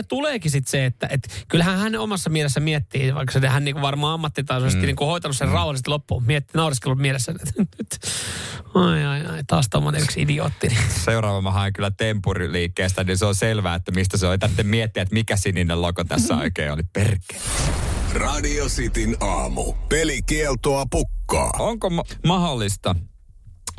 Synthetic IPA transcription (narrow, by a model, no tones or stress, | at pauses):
t̪uleːkisit̪seet̪ːæʔet̪kylhænhænneomɑsːɑmielesːæmiet̪ːiːʋɑ̰ikːsenehænniːŋkuʋʋɑrmɑːɑmːɑt̪ːit̪ɑisosit̪ːiniːŋkuhoit̪ɑnusserrɑuhɑlːˑist̪ilopːumiɛt̪ːinɑuriskelummielesːæet̪nyt̪ | ɑiɑiɑit̪ɑːst̪omːoneyksḭdio̰ːt̪ːiniseurɑːʋɑmːɑɦɑiŋkylːˑæt̪empuriliːkːeːst̪æninseonselʋæːet̪ːæmist̪æseolit̪æt̪ːemmiet̪ːiæt̪mikæsinːinːelokot̪æsːæ̰o̰ikḛːo̰liperke̥ː | rɑdiosit̪inɑ̰ːmṵpelikielt̪oɑpukːɑ̰ːoŋkommɑholːist̪ɑ